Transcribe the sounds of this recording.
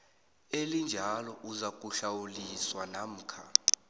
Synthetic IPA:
elind͡ʒʱalɔʔuzak̬ʼuɬawuliswanam̩ːkʰa̰

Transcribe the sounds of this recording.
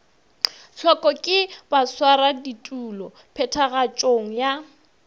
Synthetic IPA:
ɬɔkʼɔkʼɪb̥aswaɾaditʼulɔ | pʰɛtʰaɣat͡ʃʼoŋ̩ja

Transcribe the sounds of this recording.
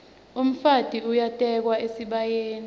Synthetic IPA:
um̩fad̥ʼʱiujatʼɛk̬waesiɓajeːni

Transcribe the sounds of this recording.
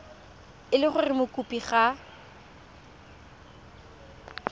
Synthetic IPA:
ɪlɪχʊrɪmʊkʼupʼiχa

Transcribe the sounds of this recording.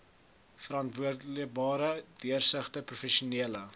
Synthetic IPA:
fəɾɑntvuərdlək̚bɑːɾədiərsəχtəprufɛʃuniələ

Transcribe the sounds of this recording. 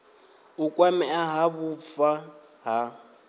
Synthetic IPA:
ukʼwamɛaɦaβufa | ɦa

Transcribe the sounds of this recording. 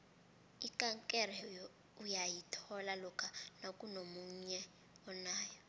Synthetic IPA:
ikʼaŋkʼɛrɛ | ujajitʰɔlalɔkʰanokʼunomuɲɛ | ɔnaːjɔ

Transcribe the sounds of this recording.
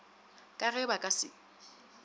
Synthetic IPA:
kʼaɣɛbakʼasɪ̰

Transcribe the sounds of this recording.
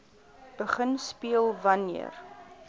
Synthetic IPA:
b̥əχənspiəlˠvɐniə̰r

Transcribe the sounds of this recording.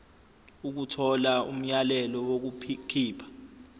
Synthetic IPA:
uk̬utʰɔlaṵm̩jalɛlɔwok̬ukʰiːpʰḁ

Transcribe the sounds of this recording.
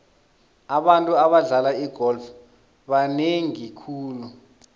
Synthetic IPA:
aɓantʼuaɓaɮalaiɡ̥ʱɔlf | ɓaneŋikʰuːlu

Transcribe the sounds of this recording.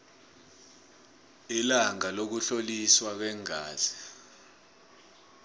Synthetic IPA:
ilaŋalok̬uɬoliswak̬wɛŋaːz̥ɛ̥

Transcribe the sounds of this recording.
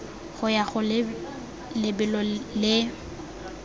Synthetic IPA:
ɣʊjaɣʊ | lɪbɪlɔlɪ

